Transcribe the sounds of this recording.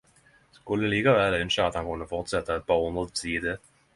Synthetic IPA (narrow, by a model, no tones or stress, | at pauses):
skɵlːəliːkaʋɛːlœnɕaːt̪hankʰɵnːəfɔʁt̪sɛt̪ːaɛt̪̚pʰɑːʁʊnd̪ʁəd̪sʰiːd̪ə